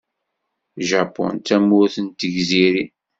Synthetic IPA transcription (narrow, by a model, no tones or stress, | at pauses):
ʒapɔ̰nt̪æmːʊɾθənt̪əʝziɾi